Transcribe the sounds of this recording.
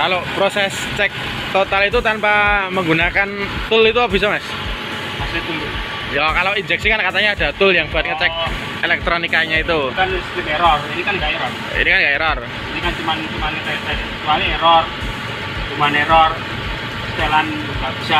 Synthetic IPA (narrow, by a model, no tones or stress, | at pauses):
kalopɾosɛst͡ʃɛk̚ | t̪ot̪alit̪ut̪anpaməŋɡunakant̪ʊlit̪uabis̬amas | masit̪ulu | jakaloid͡ʒɛk̚sikankat̪aɲaːd̥a̤t̪ʊljaŋb̥uat̪̚kət͡ʃɛk̚ | elɛk̚t̪ɾonikaɲait̪ukanst̪imeɾɔrinikanŋɡaʔɛɾɔr | ḭnikanɡaɛɾɔr | inikant͡ʃumant͡ʃumanit̪at̪ad | t͡ʃualieɾɔr | dumaneɾɔr | st̪elan | babisa